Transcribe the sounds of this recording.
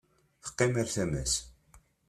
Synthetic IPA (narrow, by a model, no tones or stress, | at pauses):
θə̥qːɪmaɾθæmæs